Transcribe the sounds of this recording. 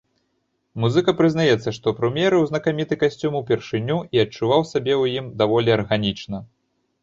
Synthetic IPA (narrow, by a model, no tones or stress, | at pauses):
muzɨkɐpɾɨznajɛt̪sːɐʂt̪ɔpɾumʲjɛɾɨwznɐkamʲit̪ɨkasʲt͡sʲumuwpʲɛrʂɨnʲːuiɐt͡ʂuvawsʲabʲɛwjimd̪avɔlʲiɐrɣanʲit͡ʂnɐ